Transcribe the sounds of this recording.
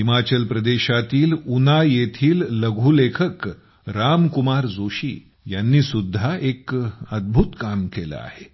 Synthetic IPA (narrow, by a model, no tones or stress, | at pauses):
ɦimat͡ɕəlpɾəd̪eɕat̪iːlunajet̪ʰiːlːəɡʱulekʰək | ɾamkumaɾd͡zoɕḭː | janːiːsud̪ʱːaekəd̪̚bʱut̪kamkela̰a̰he